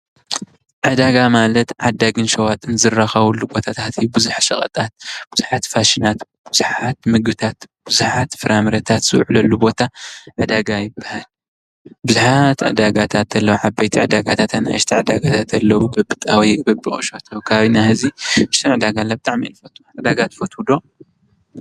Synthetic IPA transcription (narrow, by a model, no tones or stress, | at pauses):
ʕad̪aɡamalɐt̪ʕad̪aɡɨnʃɐwat̪ʼɨnzɨraxɐβɐlːubo̞t̪ʰat̪ʰat̪ʰiubɨzuħsɐχʼɐ̰t̪ʼat̪̚b̥ɨzuħat̪faʃinat̪b̥ɨzuħat̪mɨɡbɨt̪ʰat̪b̥ɨzuħat̪fɨɾamɾɐt̪ʰat̪z̥ɨwʕlɐlːubo̞t̪ʰaʕad̪aɡajɪbːahal | bɨzuħat̪ʕɨ̰d̪aɡat̪ʰat̪ɐlːɐwʕabɐjt̪ʰiʕad̪aɡat̪ʰat̪ʰat̪na̰jɨʃt̪ʰiʕɨd̪aɡat̪ʰat̪ɐlːɐwubɐbɨt̪ʼawijbɐbɨχʼo̰ʃot̪ʰɐwkʰaβaβinahɨziʔɨʃt̪ʰɨnʕɨd̪aɡalːabɨt̪ʼaʕminfɐt̪ʰʼu̥ʕad̪aɡat̪fɐt̪ʰud̪o